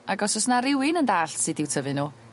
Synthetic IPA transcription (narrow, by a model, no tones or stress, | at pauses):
aɡɔsɔsnaɾɪwɪnəndaːɬsɨdɪwtʰəvɨnuː